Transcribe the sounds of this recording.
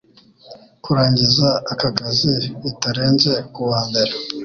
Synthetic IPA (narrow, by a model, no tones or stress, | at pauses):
kuɾaːɲɟizaːkakaziːtaɾeːnze̞kuβaːmbe̞ɾe